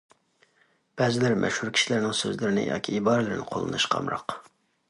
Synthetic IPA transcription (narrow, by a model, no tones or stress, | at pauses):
b̥ɛːzɪlæɾmʔɛ̰ʃhuɾkʲʰi̥ʃilɪɾnɪŋsø̰zlɪɾɪnɪ̰jɑ̰ːkʲʰiibɑːɾlɪɾɪnɪ̰qʰolˠɨ̰nɨʃqʰɑ̰mɾɑ̰q